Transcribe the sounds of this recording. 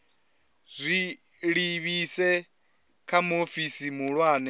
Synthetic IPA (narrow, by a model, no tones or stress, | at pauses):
zʷi | ɺiβisɛ | kʰamofisimuɺwaːnɛ